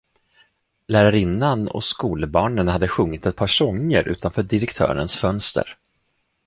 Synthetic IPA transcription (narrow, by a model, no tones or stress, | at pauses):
læːɾaɾɪnːanɔ̰skuːləbɑːɳənhad̪ːəɧɵŋːɪt̪ɛt̪̚pʰɑːʂɔŋːəɾʔʉ̟ːt̪anfœːɖɪɾɛkt̪ʰœ̰ːɾə̰nsfœnst̪ə̰ɾ